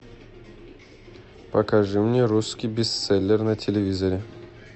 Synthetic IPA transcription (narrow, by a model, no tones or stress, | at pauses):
pɐkaʐɨmnʲeɾuskʲijbʲɪst̪sɛlʲːɪrnɐtʲɪlʲɪvʲizɐɾʲɪ